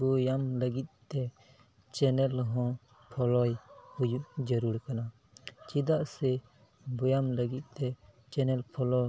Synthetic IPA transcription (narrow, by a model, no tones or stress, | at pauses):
bujamləɡit̪̚t̪ɛ | t͡ʃɛnɛlɦɔ̃ | pʰɔlɔjhujuʔd͡ʒəɾuɾkana | t͡ʃid̪aʔsɛ | bujamləɡit̪̚ˀt̪ɛ | t͡ʃɛnɛlpʰɔlɔ